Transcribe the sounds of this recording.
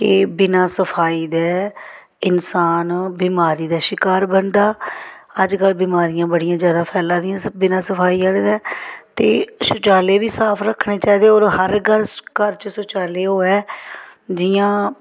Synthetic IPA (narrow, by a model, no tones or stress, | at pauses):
kɪbɪnãːsəpʰaːiːd̪ɛː | ɪnsaːnbiːmaːɾiːd̪aːʃɪkaːɾbənd̪aːəd͡ʒkəlbiːmaːɾijãːbəɽijãːzjaːd̪aːpʰɛːlãːd̪ɪjãːbɪnãːsəpʰaːiːaːleːd̪ɛːt̪eːʃʊt͡ʃaːleːʋiːsaːpʰɾəkʰːneːt͡ʃaːiːd̪eɛoːɾhəɾɡəɾkəɾt͡ʃəsʊt͡ʃaːleːɦoːɛː | d͡ʒɪjãː